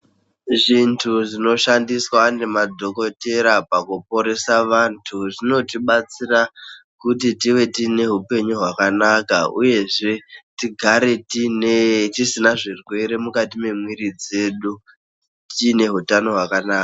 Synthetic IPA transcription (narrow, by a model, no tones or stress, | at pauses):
ʐintʰuʐino̞ʃandiswane̞mad͡zʱo̞ko̞te̞ɾapakupo̞ɾe̞saʋantʰuʐino̞tiɓat͡sirakut̬itiwe̞tine̞ɦupe̞ɲuɦwakanakaṵje̞ʐe̞tiɡʱaɾe̞tinetisinaʐirwe̞ɾe̞mukatime̞mwiɾid͡ze̞ːɗu | tine̞ɦutano̞ɦwakanaːka